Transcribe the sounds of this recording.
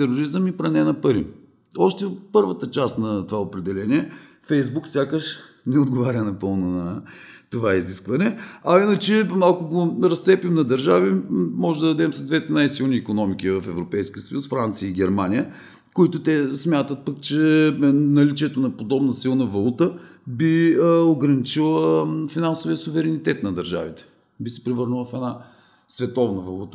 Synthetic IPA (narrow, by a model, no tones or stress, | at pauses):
t̪ɛɾoɾizəmipɾɐnɛnɐpɐɾḭ | ɔʃt̪ɛpɤɾvət̪ət͡ʃast̪nɐt̪ovaopɾɛd̪ɛlɛniɛ | fɛjzbuksʲjakəʃnɛod̪ɡovaɾʲənɐpɤlˠnʊnɐt̪ovaiziskvɐnɛɐinət͡ʃɛmalˠkʊɡoɾɐst̪sɛpimnɐd̪ɐɾʒavimɔʒɛd̪ɐd̪ɐd̪ɛmsɐzd̪vɛt̪ɛnajsilˠniːkonɔmik̟ivəfɛvɾopɛjskʲiəsəjusfɾant̪sijəiɡ̟ʲɛɾmanijə | koit̪ʊt̪ɛsmʲjat̪ət̪̚pəkt͡ʃɛnɐlit͡ʃiɛt̪onɐpod̪ɔbnəsilˠnəvɐlˠut̪əbioɡɾɐnit͡ʃilˠəfinansʊviəsuvɛɾɛnit̪ɛt̪nɐd̪ɐɾʒa̰vit̪ɛ̥ | bisɛ̥pɾɛvɤɾnəlˠəfɛna | svɛt̪ɔvnəvɐlˠut̪ə̥